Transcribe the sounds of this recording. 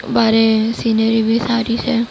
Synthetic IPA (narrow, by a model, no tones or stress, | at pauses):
baːɾesiːnəɾibʱisaːɾit͡ʃʰe